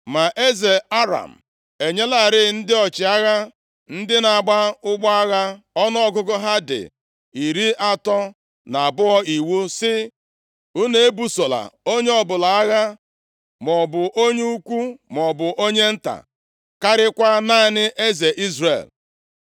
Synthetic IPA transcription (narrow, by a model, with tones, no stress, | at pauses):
ma˨ʔe˦ze˨a˦ɾa̰˨m̩˨ | e˨ɲe˦la˨ɾɪ˦˨˦n̩˦dɪ˦ɔ˨t͡ʃɪ˨a˦ɣa˦ | n̩˦dɪ˦na˨a˨ɡ͡ba˦ʊ˦ɡ͡ba˦a˦ɣa˦ | ɔ˦nɔ˦ɔ˦ɡʊ˦ɡʊ˦ɦa˦dɪ̰˨ | i˨ɾi˦ʔa˦tɔ˦ | na˨a˨bʊ˦ɔ˦i˨wu˦sɪ˦ | u˦ne˦e˦bu˦so˨la̰˨o˦ɲe˦ɔ˦bʊ˨la˨a˦ɣa˦ | mɔ˨bʊ˨ʔo˦ɲe˦u˦kʷu˦mɔ˨bʊ˨ʔo˦ɲe˦n̩˦ta̰˨ | ka˦ɾɪ˦kʷa˦na˦nɪ˦ʔe˦ze˨ʔi˦zrḛ˨l